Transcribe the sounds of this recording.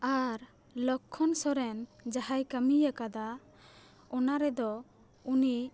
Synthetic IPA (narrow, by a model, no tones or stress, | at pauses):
aɾ | lɔkʰːɔnsɔɾɛnd͡ʒaɦajkamijakad̪a | ɔnaɾɛd̪ɔ | uni